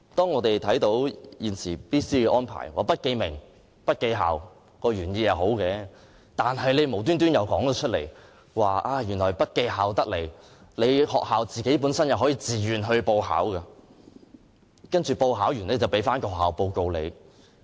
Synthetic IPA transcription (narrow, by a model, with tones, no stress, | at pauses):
t̪ɔː˥ŋɔː˨˧t̪e˨jt̪ʰɐ˨˥jt̪o˨˥wjiː˨nsiː˨˩piː˥siː˥ɛː˧ʔɔː˥npʰa̰ː˨˩jwaː˨˩pɐ˥t̚ke˧jmɪ˨˩ŋ | pɐ˥t̚ke˧jɦa̰ː˨w | kɔː˧ɥyː˨˩njiː˧jɐ˨˩wɦo˨˥wkɛː˧ | t̪aː˨nɦɐ˨jle˨˧jmo˨˩wt̪̬yː˥nt̪yː˥njɐ˨˧wkɔː˨˥ŋt̪ɔ˨˧t͡ʃʰɵ˥t̚lḛ˨˩j | waː˨ʔaː˧jyː˨˩nlɔː˨˩jpɐ˥t̚ke˧jɦaː˨wt̪ɐ˥k̚le˨˩j | le˨˧jhɔ̰ː˨k̚haː˨wt͡siː˨ke˨˥jp̬uː˨˥nsɐ˥njɐ˨wɦɔː˨˥jiː˨˧t͡siː˨ɥyː˨nɦɵ˧po˧wɦa̰ː˨˥wkɐ˧ | kɐ˥nt͡ʃyː˨po˧wɦaː˨˥wjyː˨˩ne˨˧t͡sɐ˨wpe˨˥jfaː˥nkɔː˧˨ɦaː˨wpo˧wko˧wle˨˧j